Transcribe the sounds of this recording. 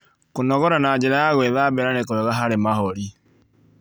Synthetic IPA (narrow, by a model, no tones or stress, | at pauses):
konɔɣɔɾanaːɲd͡ʒeɾajaɣwɛðabɛɾanekowɛɣaɦaɾemaɦɔɾi